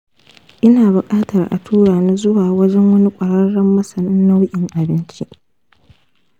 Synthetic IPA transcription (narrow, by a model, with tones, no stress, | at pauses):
ʔɪ˦naː˨bʊ˨kʼaː˦tɐ˨rʔa̰˨tʰuː˦ɽaː˨na˦zʊ˦waː˨wɐ˦d͡ʒɛ˦ŋwɐ˦ni˦kʷʼɐ˨ɽɐ˦ɽːɐ˦mːɐ˦sɐ˨nɪ˦nːa˦wʊ˦ʔʲʼɪ˨ŋʔa˨bɪ˦nt͡ʃi˦ʔ